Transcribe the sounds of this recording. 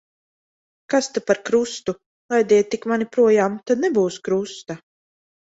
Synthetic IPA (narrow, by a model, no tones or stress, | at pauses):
kast̪apaɾkɾust̪u | lˠajd̪ʲiɛt̪ːikmanipɾuɔjaːmt̪ad̪nɛbuːskɾust̪a